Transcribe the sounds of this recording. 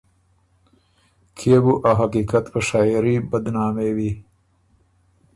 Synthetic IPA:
kʰebuʔaɦakikat̪pəʃɑːɾibəd̪nɑːmewi

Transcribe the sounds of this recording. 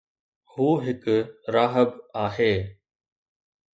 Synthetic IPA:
huːɦɪkɾaːɦəbaːɦeː

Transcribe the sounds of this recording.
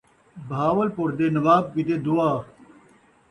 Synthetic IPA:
bʱaːwəlpoɾd̪eːnɐʋaːb̚kid̪eːd̪uaː

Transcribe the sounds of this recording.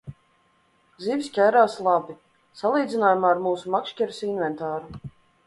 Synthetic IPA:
zivʲisʲkʲajɾaːslˠabi | salˠiːd̪zʲinaːjumaːɾmuːsumakʃkʲɛɾsinvɛnt̪aːɾu

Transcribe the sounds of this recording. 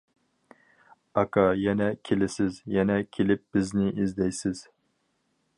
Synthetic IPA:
ɑkʰɑjɛnɛkʲʰelɪsɪzjɛnɛkʲʰelɪp̚b̥ɪznɪʔizd̪ɛjsɪz̥

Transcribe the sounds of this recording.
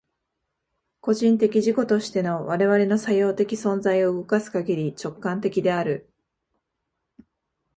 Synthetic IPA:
ko̞ʑĩnt̪e̞kʲiʑiko̞t̪o̞ɕi̥t̪e̞no̞βaɾe̞βaɾe̞no̞sajo̞ːt̪e̞kʲisõ̞nzaio̞ɯ̟ɡo̞kasɨ̥kaɡʲiɾʲit͡ɕo̞kːãnt̪e̞kʲid̪e̞aɾɯ̟

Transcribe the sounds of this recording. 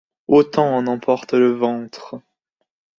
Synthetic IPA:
ot̪ɑ̃ːnɑ̃pʰɔʁt̪ləvɑ̃t̪χ

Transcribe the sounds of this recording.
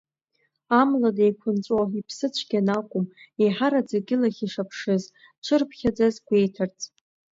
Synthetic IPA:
amladejkʷʰʊnt͡sʷʼwaipʰsɨt͡ɕʷʰɡʲanakʷʼʊmeħaɾad͡zaɡʲɪlaχʲiʂapʰʂɨz | t͡ʃʷʰɨrpʰχʲad͡zazɡʷe̞jtʰart͡sʰʼ

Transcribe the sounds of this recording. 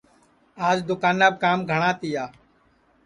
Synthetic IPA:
aːd͡ʒd̪ʊkaːnːaːb̚kaːmɡʱəɽ̃aːt̪iːjaː

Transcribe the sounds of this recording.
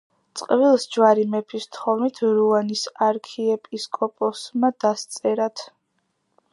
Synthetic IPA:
t̪sʼqʼvilˠsd͡ʒwaɾimɛpʰist̪ʰχɔvnit̪ʰɾuanisaɾkʰiɛpʼiskʼɔpʼɔsmad̪ast̪sʼɛɾat̪ʰ

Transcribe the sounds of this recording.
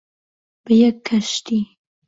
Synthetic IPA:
b̥əjɛkʰːaʃt̪i

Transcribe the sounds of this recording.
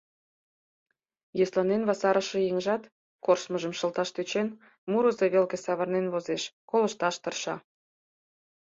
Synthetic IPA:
jeslɑnenβɑsɑɾəʃĕjeŋʒɑt̪ | korʃməʒəmʃə̆lt̪ɑʃt̪øt͡ɕen | muɾəzeβelkĕsɑβərnenβozeʃkoləʃt̪ɑʃt̪ərʃɑ

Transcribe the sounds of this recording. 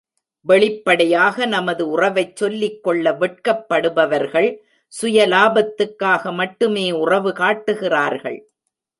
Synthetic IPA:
ʋɛɭɪpːɐɽɐjaːɣɐnɐmɐðɯʊrɐʋɐɪt͡ʃsɔlːɪkːɔɭːɐʋɛʈ̚kɐpːɐɽɯbɐʋɐɾɣɐɭ | sʊjɐlaːbɐt̪ːɯkːaːɣɐmɐʈːɯmeːʊrɐʋɯkaːʈːɯɣɪraːɾɣɐ̰ɭ

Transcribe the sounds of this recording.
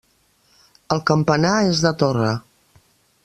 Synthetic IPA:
əlˠkəmpənaezðət̪orə

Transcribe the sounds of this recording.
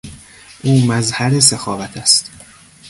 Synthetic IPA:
ʔuːmæzhæɾesexɒːvæt̪ʰæst̪

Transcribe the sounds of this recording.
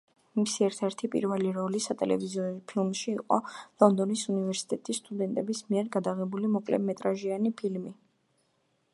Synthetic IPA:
misiɛɾt̪ʰɛɾt̪ʰipʼḭɾvɛliɾɔlisat̪ʼɛ̰lɛ̰vizɔpʰilˠmʃiːqʼɔlˠɔnd̪ɔnisunivɛɾsi̥t̪ʼɛt̪ʼisːt̪ʼud̪ɛnt̪ʼɛbismiɛɾɡad̪aʁɛbulimɔkʼlɛ̰mɛt̪ʼɾaʒianipʰilmi

